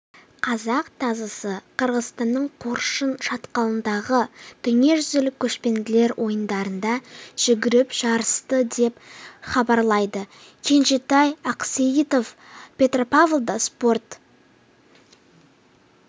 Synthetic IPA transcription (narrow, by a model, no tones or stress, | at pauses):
qʰɑzɑqt̪ʰɑzɑsəqʰəɾʁəzt̪ɑnːəɴqʰoɾʃənʃɑt̪qɑlˠənd̪ɑʁət̪ʰʏŋe̞ʒʏzelɪkʲʰɵʃpe̞nd̪ɪle̞ɾwʔo̞jənd̪ɑɾənd̪ɑʒ̥ʏɡʲɪɾɪpʒ̥ɑɾəst̪əd̪e̞pχɑbɑɾlˠɑjd̪ə | kʲʰe̞nʒet̪ɑjɑqseit̪o̞v | pʰʲe̞t̪ropavlˠd̪əspo̞rt̪